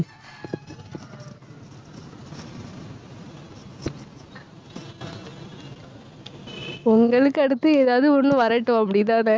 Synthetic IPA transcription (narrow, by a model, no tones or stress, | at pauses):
ʊŋɡɐɭɯkːɯɐɽɯt̪ːɯeːðaːʋðɯɔnːɯ̃ʋɐɾɐʈːʊ̃ɐpːɐɽɪt̪aːnɛ